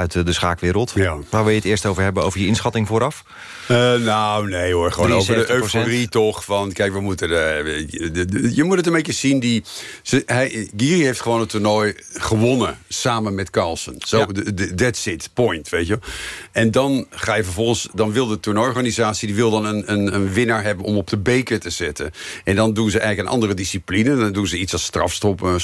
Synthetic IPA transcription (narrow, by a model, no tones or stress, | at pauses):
œɥtdəsχaːkʋɪːɾəlˠtaʋaːrʋɪlˠjətɪːstowvərɦɛbəowvərjəɪnsχɑtɪŋvoːɾɑf | nawnejorχəʋoːnoːsədəøoritoxfɔnkɛjkʋəmutən | jəmutətənmbetjəsindisəhɛjɡiːriɦejftχəʋoːnətuɹnɔjχəʋonəsaːmənmɛtkalˠsənsodɛtsɪtpɔjntʋejtjəɛndɔnχaːjəfəɹvɔlˠχənsdɑnʋɪlˠdətuɹnɔjɔɹχanizaːsidiʋɪlˠdɑnənənənʋɪnəɹɦɛbənɔmɔp̚dəbejkətəzɪtə̰nɛndɔndunzəɛjxələkənʔɑ̰ndərədisiplinəɔndunzəitsɑstrɑ̰fstɔpə